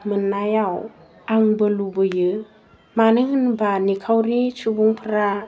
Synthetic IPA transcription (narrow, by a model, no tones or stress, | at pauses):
mɯnːajaw | aŋbɯlubɯjɯ | manɯŋɯnbanikʰawɾit͡ʃubuŋpʰɾa